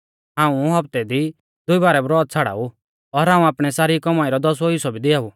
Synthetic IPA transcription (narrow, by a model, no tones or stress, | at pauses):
ɦãːũɦɐbt̪ɛd̪i | d̪ʊibaːɾɛbɾɔːt̪̚t͡sʰaɽa̰ːu | ɔɾɦãːũaːpɽ̃ɛsaːɾikɔmaːiɾɔd̪ɔs̬ɔɦɪsɔbid̪ɪaːu